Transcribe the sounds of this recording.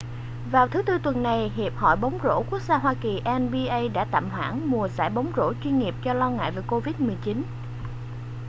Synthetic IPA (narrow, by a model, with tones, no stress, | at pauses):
vaː˨˩wt̪ʰɨ˨˦t̪ɨ˧t̪wə˨˩nːa˨˩jɦi˨˩əp̚hɔ̰˧˨jɓə˨˦wŋ͡mzo̰˧˥ku˦˥ək̚zaː˧ɦwaː˧ki˨˩ʔɛ˧nɓi˧ʔə˧jɗa̰ː˧˥t̪a̰ː˧˨mɦwa̰ː˧˥ŋmu˨˩əsa̰ː˧˩jɓə˨˦wŋ͡mzo̰˧˥t͡ɕwi˧nŋi˨˩p̚t͡ɕɔ˧lɔ˧ŋa̰ː˧˨jvəː˨˩jko˧vi˦˥t̚mɨ˨˩əjt͡ɕi˨˦n